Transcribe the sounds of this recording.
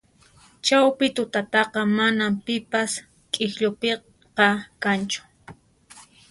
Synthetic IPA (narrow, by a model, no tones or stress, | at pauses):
t͡ʃawpɪt̪ʊt̪at̪ɑqɑmanampɪpas | kʼɪxʎʊpe | qɑkant͡ʃʊ̥